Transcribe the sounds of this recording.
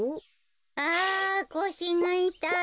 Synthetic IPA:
akoɕiŋait̪a

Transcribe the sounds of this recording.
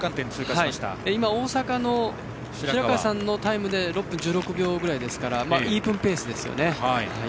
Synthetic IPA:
kãnt̪ẽñt͡sɨːkahaiɕi̥t̪a̰eimao̞ːsakano̞ | iɾiɾakasãnːo̞t̪aimɯ̟d̪e̞ɾo̞pːɯ̃ɲ̟d͡ʑɨːɾo̞kɯ̟bʲo̞ːɡɯ̟ɾaid̪e̞sɨ̥kaɾamaiːpɯ̟̃mpe̞ːsɨd̪e̞sɨjo̞̰ne̞haia

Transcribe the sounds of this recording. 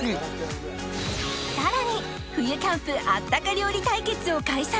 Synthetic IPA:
saɾaɲ̟i | ɸɯ̟jɯ̟k̪ãɰ̃ɸɯʔat̪ːakaɾʲioɾʲit̪aike̞t͡sɨo̞kaiɕsa

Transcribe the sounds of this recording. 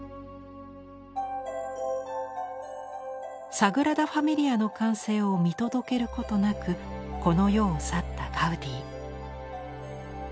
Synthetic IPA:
saɡɯ̟ɾad̪aɸamʲiɾʲiano̞kãɰ̃se̞ːo̞mʲit̪o̞d̪o̞ke̞ɾɯ̟ko̞t̪o̞nakɯ̟ | ko̞no̞jo̞ːsat̪ːakʰaɯ̟d̪ʲiː

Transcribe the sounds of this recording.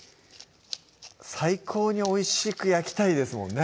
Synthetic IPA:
saikʰo̞ːɲ̟io̞iɕikɯ̟jakʲi̥t̪aid̪e̞sɨmõ̞̰nːe

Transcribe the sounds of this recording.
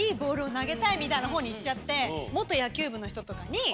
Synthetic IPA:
iːbo̞ːɾɯ̟o̞naɡe̞t̪aimʲit̪ainaɦo̞ːɲ̟iːt͡ɕt͡ɕːat̪ːe̞mo̞t̪ːo̞jakʲɨːbɯ̟no̞çi̥t̪ot̪o̞kaɲ̟i

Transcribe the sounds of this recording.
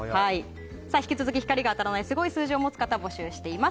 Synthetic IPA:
hai | saːçʲi̥kʲit͡sɨzɨkʲiçi̥kaɾʲiɡaːt̪aɾanaisɨɡo̞isɨːʑiomo̞t͡sɨ̥kat̪abo̞ɕɨːɕi̥t̪e̞ima

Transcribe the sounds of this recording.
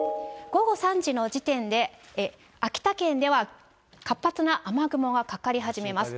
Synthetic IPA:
ɡ̥o̞ɡo̞sãɲ̟d͡ʑino̞d͡ʑit̪ẽ̞nd̪e̞ | akʲi̥t̪akẽ̞nd̪e̞β̞a | kapːat͡sɨnaʔamaɡɯ̟mo̞ɡakakaɾʲiɦaʑime̞masɨ̥

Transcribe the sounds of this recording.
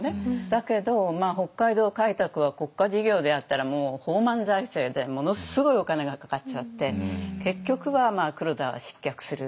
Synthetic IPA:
ed̪̥ake̞d̪o̞maːɦo̞kːaid̪o̞ːkait̪akɯ̟βako̞kːaʑiɡʲo̞ːd̪e̞at̪ːaɾamo̞ːho̞ːmãnzaise̞ːd̪e̞mo̞no̞sɨɡo̞io̞kane̞ɡakḁkat͡ɕat̪ːe̞ke̞kʲːo̞kɯ̟βamaːkɯ̟ɾod̪aβa̰ɕi̥kʲːakɯ̟̥sɨɾɯ̟

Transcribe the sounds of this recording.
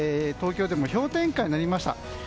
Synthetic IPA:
et̪o̞ːkʲo̞ːd̪e̞mo̞ço̞ːt̪ẽ̞ŋkaiɲinaɾʲimaɕi̥t̪a̰

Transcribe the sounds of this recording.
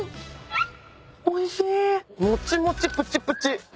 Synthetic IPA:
oiɕimot͡ɕimot͡ɕipɯt͡ɕipɯt͡ɕi

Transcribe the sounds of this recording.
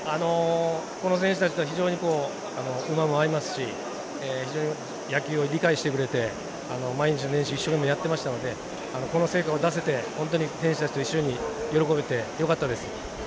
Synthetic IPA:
ano̞ko̞no̞sẽɕ̬ɨ̥t̪at͡ɕit̪oaçiʑo̞ːɲ̟iko̞ː | ano̞ɯ̟mamo̞aɾimasɨ̥ɕi | eçid͡ʑo̞ːɲi | jakʲɨːo̞iɾʲikaiɕi̥t̪ekɯ̟ɾe̞t̪e̞ | ano̞maiɲ̟it͡ɕinonẽ̞ɰ̃ɕioiɕːo̞ke̞mːojat̪ːe̞maɕi̥t̪ano̞d̪e̞ | ano̞ko̞no̞se̞ːkao̞d̪as̬e̞t̪e̞hõ̞nt̪̬o̞ɲ̟isẽɕi̥t̪at͡ɕi̥t̪oiɕːo̞ɲ̟ijo̞ɾo̞ko̞bet̪e̞jo̞kat̪ːad̪esɨ̥

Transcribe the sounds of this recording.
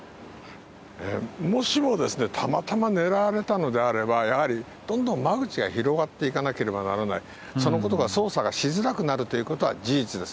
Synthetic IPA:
ḛːmo̞ɕimo̞d̪e̞sɨne̞t̪ʰamat̪amane̞ɾaɾe̞t̪ano̞d̪e̞aɾe̞bajahaɾʲi | d̪̥õ̞nd̪õ̞mmːaɡɯ̟t͡ɕiɡaçiɾo̞ɡat̪ːe̞ikanake̞ɾe̞bana̰ɾana̰i | so̞no̞ko̞t̪̬o̞ɡaso̞ːsaɡaɕizɨɾakɯ̟naɾɯ̟t̪o̞jiɯ̟ko̞t̪o̞βa̰d͡ʑiːt͡sɨd̪e̞sɨ̥

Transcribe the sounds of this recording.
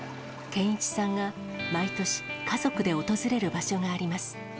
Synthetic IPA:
kẽ̞ɰ̃it͡ɕi̥sãŋɡa | mait̪o̞ɕi̥kazo̞kɯ̟d̪e̞o̞t̪o̞zɨɾe̞ɾɯ̟baɕo̞ɡaːɾʲimasɨ̥

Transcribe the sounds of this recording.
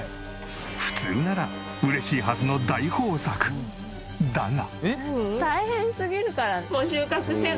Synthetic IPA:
ɸɯ̟̥t͡sɨ̰ːnaɾa | ɯ̟ɾe̞ɕiːɦazɨno̞d̪aiho̞ːsakɯ̟̥ | d̪ana̰ | t̪aihẽɰ̃sɨɡʲiɾɯ̟kaɾamoɕɨːkakɯ̟ɕe

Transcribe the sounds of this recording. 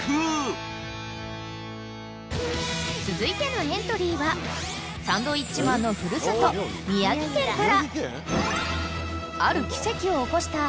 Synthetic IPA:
t͡sɨzɨit̪e̞noẽ̞nt̪o̞ɾʲiːβa | sãnd̪o̞it͡ɕimãnːo̞ɸɯ̟ɾɯ̟sɨt̪o̞mʲijaɡʲik̪ẽ̞ŋkaɾa | aɾɯ̟kʲi̥se̞kʲio̞ːko̞ɕi̥t̪a

